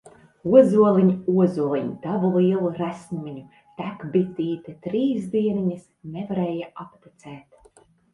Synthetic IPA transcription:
uɔzuɔlˠiɲuɔzuɔlˠiɲit̪avulˠiɛlˠuɾæsmumʲiɲu | t̪ækbit̪iːt̪ɛt̪ɾiːzd̪iɛniɲɨsnɛvaɾɛːjaapt̪it̪sɛːt̪

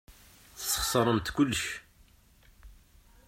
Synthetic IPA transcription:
θəsːə̥χsˤəɾˤəmt̪kʊlːəʃ

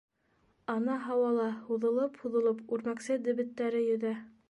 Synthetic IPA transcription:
ɑnɑɦɑwɑlˠɑhuðɤ̆lˠɤphuðɤ̆lˠɤpʉɾmæksɘd̪ɘ̆βɘ̆t̪ːæɾɘjɵ̆ðæ

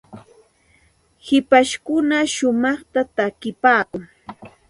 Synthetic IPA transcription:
hɪpaʃkʊnaʃʊmɑχt̪at̪akɪpaːkʊŋ

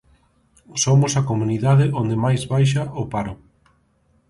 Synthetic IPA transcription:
somʊsakomuniðaðɪʔond̪emajzβajʃ̬aʔʊpaɾʊ

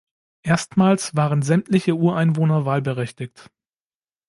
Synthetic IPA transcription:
ʔeːɐstmaːlsv̥aːʁənzɛmtʰlɪçəʔuːɐʔaɪnvoːnɐvaːlbəʁɛçtɪkt

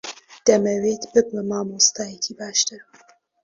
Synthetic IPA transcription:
d̪̥ɐmɐwet̪bɨɡlɐmaːmoːst̪aːjekʰibaːʃt̪ɨɾ

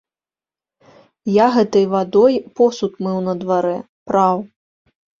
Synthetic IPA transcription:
jaɣɛt̪ɐjvad̪ɔjpɔsut̪mɛwnɐd̪vaɾɛ | pɾaw

